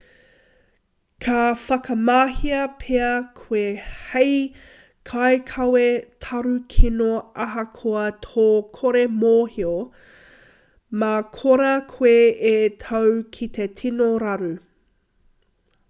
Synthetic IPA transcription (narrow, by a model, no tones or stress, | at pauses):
kʰɐfɐkɐmaːhiɐpʰeɐkʰwehej | kʰajkʰɐwetʰɐɾʉkʰinoɐɦɐkʰoɐtʰoːkʰoɾemoːhio | makʰoɾɐkʰweetʰɐwkʰit̪etʰinoɾɐɾu